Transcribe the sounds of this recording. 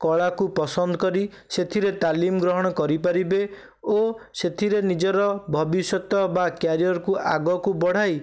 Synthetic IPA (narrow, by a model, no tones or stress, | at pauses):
kɔɭakupɔsɔnd̪ɔkɔɾi | set̪ʰiɾet̪alimɔɡɾɔɦɔɽ̃ɔkɔɾipaɾibe | oset̪ʰiɾenid͡ʒɔɾɔbʱɔbisjɔt̪ɔbakjaɾiɔɾɔkuʔaɡɔkubɔɽ̤aj